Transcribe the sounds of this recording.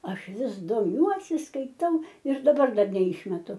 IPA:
ˈɐʃ ˈʋʲɪs doːˈmʲuɔsʲɪ skɐɪˈtɐʊ ɪr dɐˈbɐr ˈdɐr nʲɛˈɪʃʲmʲɛtʊ

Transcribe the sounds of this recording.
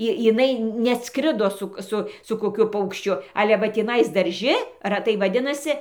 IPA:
ˈɪ jɪˈnɐɪ nʲɛˈɑːtskrʲɪdoː ˈsʊk ˈsʊ sʊ koːˈkʲʊ pɐʊkʃʲˈt͡ʃʲʊ ˈɑːlʲɛ ʋɐ tʲiːˈnɐɪs dɐrʲˈʒʲɪ rɐˈtɐɪ ʋɐˈdʲɪnɐsʲɪ

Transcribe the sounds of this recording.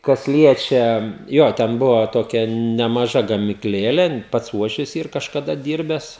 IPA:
kɐs ˈlʲiɛt͡ʃʲɛ ˈjoː ˈtʲɛn ˈbʊʋoː ˈtoːkʲɛ nʲɛmɐˈʒɐ ɡɐmʲɪkˈlʲeːlʲeː ˈpɐts ˈuɔʃʲʋʲɪs ˈiːr kɐʃkɐˈdɐ ˈdʲiːrʲbʲɛs

